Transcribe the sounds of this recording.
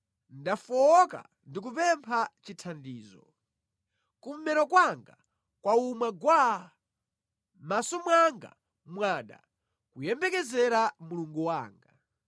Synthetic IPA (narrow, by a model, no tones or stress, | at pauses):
ndafɔːka̰ | ndik̬upɛmpʰat͡ʃitʰandiːzɔ̰ | kum̩mɛɾɔkwaŋɡa | kwaumwaɡwa | masɔmwaŋɡa̰ | mwaːɗa̰ | kujɛmbɛkɛzɛɾamuluŋɡuwaːŋɡa